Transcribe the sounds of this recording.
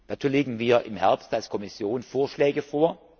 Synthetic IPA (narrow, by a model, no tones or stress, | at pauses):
d̥aːt͡suːɐleːɡŋ̩viːɐʔɪmhɛɐpstalskʰɔmɪsjoːnfoːɐʃlɛːɡəfoːɐ